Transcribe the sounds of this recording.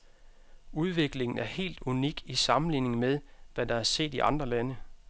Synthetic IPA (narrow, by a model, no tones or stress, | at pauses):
uð̞ˠʋe̝ɡ̥le̝ŋn̩æɐhe̝̰ːld̥uniɡ̥isɑ̈mn̩lḭːne̝ŋ̩með̞ˠʋæd̥ɑ̈æɐse̝̰ːd̥iʔɑ̈nd̥ʁɐlænə